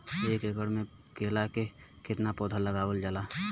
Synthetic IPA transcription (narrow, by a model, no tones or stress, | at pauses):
eːkeɡəɽmẽ | keːlake | kɪt̪napɔːd̪ʱaləɡaːʋəld͡ʒalaː